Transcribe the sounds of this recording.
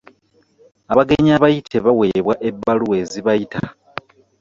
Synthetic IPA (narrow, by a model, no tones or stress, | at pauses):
aβaɡe̞ɲiaβajitʰe̞βawe̞ːβwaʔe̞bːaluwe̞ːziβajitʰa̰